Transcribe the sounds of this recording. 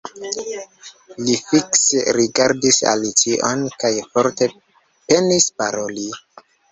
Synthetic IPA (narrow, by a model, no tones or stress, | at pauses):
lifikseɾiɡaɾdisa̰lit͡siʔonkajfo̞ɾte̞ | pe̞nispaɾo̞li